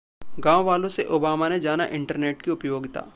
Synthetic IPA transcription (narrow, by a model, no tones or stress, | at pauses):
ɡãːʋʋaːlõseʔoːbaːmaned͡ʒaːna̰ʔɪ̃ɳʈəɾneːʈkiʊpjoːɡt̪a̰ː